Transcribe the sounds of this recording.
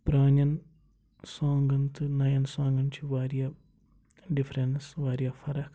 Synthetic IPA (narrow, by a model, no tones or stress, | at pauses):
pɾaːɲɐn | soːŋɡɐnt̪ɨnɐjɐnsaːŋɡɐnt͡ʃʰuʋaːɾijɐ | ɖifɐɾensʋaːɾijɐfɐɾɐk